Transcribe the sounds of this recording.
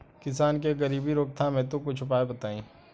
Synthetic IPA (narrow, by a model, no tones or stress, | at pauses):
kɪsaːnkeɡɐɾiːbiɾoːk̚t̪ʰamẽt̪̬okʊt͡ʃʰʊpaːebɐt̪aːĩː